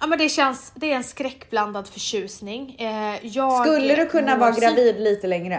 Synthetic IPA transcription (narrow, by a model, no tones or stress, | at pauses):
ʔamɛnd̪ɛɕɛnsd̪ɛːɾɛnskɾɛkːbland̪ad̪fœʂʉ̟ːsnɪŋjɑːskɵlːəd̪ɵkʰɵnːavɑːɾaɡɾaviːd̪liːt̪əlɛŋɾə